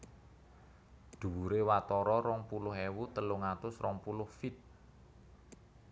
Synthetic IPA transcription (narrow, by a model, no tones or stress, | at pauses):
d̪̥ṳwuɾewat̪ɔɾɔɾɔŋpulʊɦewut̪əlʊŋat̪ʊsrɔŋpulʊhfit̪̚